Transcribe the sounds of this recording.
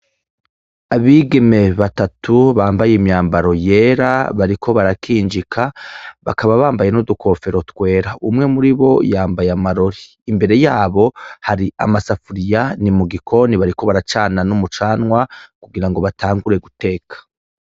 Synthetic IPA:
aβiːɡe̞me̞βatatʰuβaːmbajeimɲaːmbaɾo̞je̞ːɾaβaɾikʰo̞βaɾakiːnd͡ʒikʰaβakaβaβaːmbaje̞nudukʰo̞fe̞ɾo̞twe̞ːɾaʔumŋe̞muɾiβo̞jaːmbajeamaɾo̞ɾiːmbe̞ɾe̞jaːβo̞haɾia̰masafuɾijanimuɡikʰo̞niβaɾiko̞βaɾat͡ʃaːnanumut͡ʃaːnwakuɡiɾaŋɡo̞βatʰaːŋɡuɾe̞ɡute̞ːkʰḁ

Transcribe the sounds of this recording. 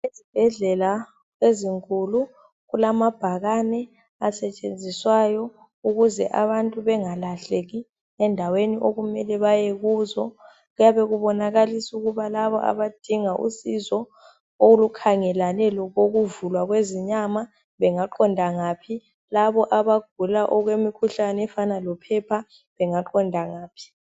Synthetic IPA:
ezib̥ʱɛɮɛla | eziŋkʼulu | ɣulamab̥ʱaɣanɛ | asɛt͡ʃʼend͡zʱiswajɔ | uɣuzɛʔa̰βantʼuβɛŋalaɬeɣi | ɛndʱaweniʔoɣumɛlɛβajeɣuːzɔ | ɣujaβɛɣuβɔnaɣalisuɣuβalaβɔʔa̰βad̥ʱiŋaʔṵsizɔ | olukʰaŋɛlanɛlɔɣoɣuvulwaɣweziɲama | βɛŋaǃɔndʱaŋaːpʰi | laβɔʔaβaɡ̥̚ʱulaʔɔɣwemikʰuɬanɛfanalɔpʰɛpʰa | βɛŋaǃɔndʱaŋaːpʰi̥

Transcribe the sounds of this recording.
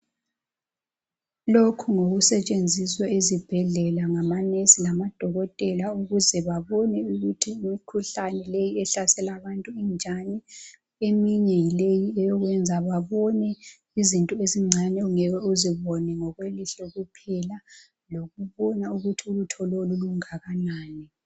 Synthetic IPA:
lokʰuŋoɣusɛt͡ʃʼend͡zʱiswaezib̥ʱɛɮɛlaŋamanesilamad̥ʱɔɣɔtʼɛlauɣuzɛβaβɔnɛuɣutʰiukʰuɬanɛlejiɛɬasɛlaβantʼuind͡ʒʱanɛ | emiɲɛjilejiɛjɔɣwɛnd͡zʱaβaβɔnɛ | izintʼɔeziŋ͡ǀʱanɛuŋɛɣɛuziβɔnɛŋɔɣweliɬɔɣupʰɛla | loɣuβɔnauɣutʰiulutʰɔloluluŋaɣanaːnɛ

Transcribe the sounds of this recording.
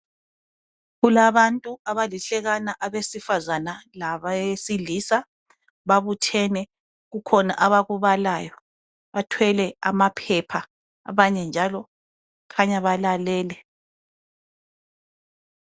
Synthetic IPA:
ɣulaβantʼuaβaliɬɛɣanaʔaβesifazanalaβesiliːsa | βaβutʰɛnɛ | ɣukʰɔna̰ʔaβaɣuβalaːjɔ | βatʰwɛlɛa̰mapʰɛpʰa | a̰βaɲɛnd͡ʒʱalɔ | kʰaɲaβalalɛːlɛ

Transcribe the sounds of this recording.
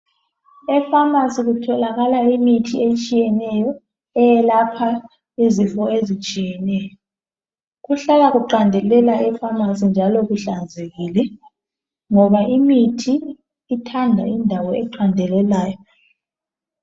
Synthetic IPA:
ɛfamasiɣutʰɔlaɣalaimitʰiet͡ʃʼijɛnɛjɔ | ɛjɛlapʰa | izifɔezit͡ʃʼijɛnɛjɔ | ɣuɬalaɣuǃandʱɛlɛlaʔɛfamasind͡ʒʱalɔɣuɬand͡zʱeɣiːlɛ | ŋɔβaʔimitʰiː | tʰandʱa̰indʱawɔɛǃandʱɛlɛlaːjɔ

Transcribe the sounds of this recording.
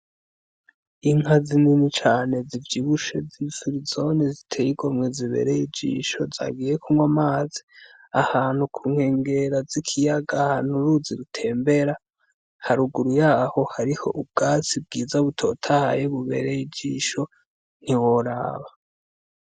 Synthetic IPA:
iŋhazininit͡ʃaːne̞zivjiβuʃe̞zifuɾizo̞nezitʰejiɡomweziβe̞̰ːɾejid͡ʒḭːʃo̞za̰ɡiːje̞kʰumwamaːzi̥ | a̰haːn̥hukʰuːŋ̥he̞ːŋɡe̞ɾazikʰijaɡahan̥uɾuziɾutʰe̞ːmbe̞ɾa | haɾuɡuɾujaːho̞haɾiho̞̰ʔub̚ɡ̥at͡sib̚ɡiːzaβutʰo̞̰tʰahajeβuβe̞̰ɾejid͡ʒiːʃo̞ | n̥iwo̞ɾa̰ːβa

